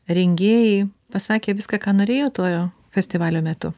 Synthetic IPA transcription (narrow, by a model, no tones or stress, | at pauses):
ɾʲɛŋʲɡʲeːjɛɪ | pɐsɑːkʲeːʋʲɪskɑkɑːnoːɾʲeːjoːt̪oːjoː | fʲɛsʲt̪ʲɪʋɑːlʲoːmʲɛt̪ʊ